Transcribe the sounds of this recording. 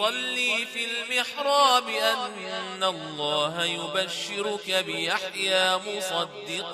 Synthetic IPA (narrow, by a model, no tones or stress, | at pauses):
sˤɑlːiːfilmɪħɾˤɑːbɪʔanː | aɑlˤːɑːɦajʊbaʃːɪɾʊkabɪʔaħjaːmʊsˤɑd̪ːɪq